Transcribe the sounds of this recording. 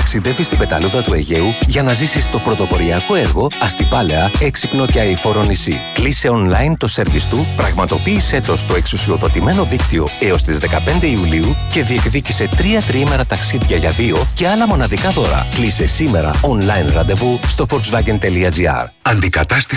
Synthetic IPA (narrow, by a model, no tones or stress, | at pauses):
ɐksiðe̞vist̪ibe̞t̪ɐ̰luðɐt̪ue̞̰ʝe̞uʝɐnɐzisist̪o̞pɾo̞t̪o̞po̞ɾiɐko̞e̞ɾɣo̞ɐst̪ipɐle̞ɐeksipno̞ceɐifo̞ɾonisḭ | klise̞o̞nlɐjnt̪ose̞ɾvist̪upɾɐɣmɐt̪o̞piːse̞t̪o̞st̪o̞e̞ksusio̞ðo̞t̪ime̞no̞ðikt̪io̞e̞o̞st̪izðe̞kɐpe̞nd̪e̞iuliuce̞ðie̞kðicise̞t̪ɾiɐt̪ɾiime̞ɾɐt̪ɐksiðʝɐʝɐðio̞ce̞ɐlɐmo̞nɐðikɐðo̞ɾɐ̰klise̞sime̞ɾɐ̰o̞nlɐjnɾɐnd̪e̞vust̪o̞foɾksvɐɡent̪e̞liɐziɐ̰ɾɐnd̪ikɐt̪ɐst̪i